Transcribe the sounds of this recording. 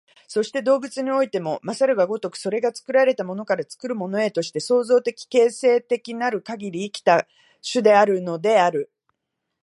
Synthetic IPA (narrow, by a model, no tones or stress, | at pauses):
so̞ɕi̥t̪e̞d̪o̞ːbɯ̟t͡sɨɲ̟io̞it̪e̞mo̞masaɾɯ̟ɡaɡo̞t̪o̞kɯ̟̥so̞ɾe̞ɡat͡sɨ̥kɯ̟ɾaɾe̞t̪amo̞no̞kaɾat͡sɨ̥kɯ̟ɾɯ̟mo̞no̞e̞t̪o̞ɕi̥t̪e̞so̞ːzo̞ːt̪e̞kʲi̥ke̞ːse̞ːt̪e̞kʲinaɾɯ̟kaɡʲiɾʲiːkʲi̥t̪a | ɕɨd̪e̞aɾɯ̟no̞d̪e̞aɾɯ̟